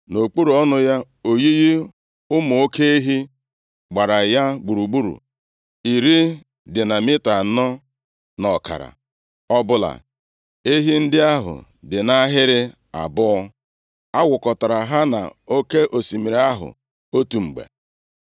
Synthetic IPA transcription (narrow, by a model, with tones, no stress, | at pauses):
no˨k͡pu˦ɾu˨ɔ˦nʊ˦ja˦ | o˨ji˦ji˦ | ʊ˦mʊ˨o˦ke˦e˦ɦi˦ | ɡ͡ba˨ɾa˨ja˦ɡ͡bu˨ɾu˨ɡ͡bu˦ɾṵ˨ | i˨ɾi˦ | dɪ˨na˨mɪ˦ta˨˦nɔ˦ | nɔ˨ka̰˨ɾa̰˨ | ɔ˦bʊ˦la̰˨ | e˦ɦi˦n̩˦dɪ˦a˦ɦʊ̰˨ | dɪ˨na˦ɦɪ˦ɾɪ˦ | a̰˨bʊ˦ɔ˦ | a˦wʊ˨kɔ˨ta˨ɾa˨ɦa˦na̰˨o˦ke˦ʔo˨si˨mi˨ɾa˦ɦʊ̰˨ | o˦tu˨ŋ͡m̩˨ɡ͡bḛ˨